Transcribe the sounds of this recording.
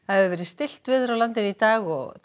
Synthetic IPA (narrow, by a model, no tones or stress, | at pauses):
aðvɛːɾɪst̪ɪl̥t̪vɪðθfɾawlant̪ɪɾit̪aːɣɔ̰ɣ